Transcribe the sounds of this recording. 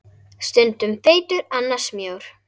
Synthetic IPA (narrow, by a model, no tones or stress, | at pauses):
st̪ʏnt̪ʏmfeːjt̪ʏɾanːḁsmjoːwɾ̥